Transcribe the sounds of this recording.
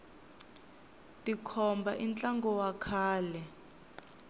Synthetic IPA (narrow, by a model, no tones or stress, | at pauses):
tikʰɔmbʱa̰ʔint͡ɬʼaŋɡɔwakʰaːlɛ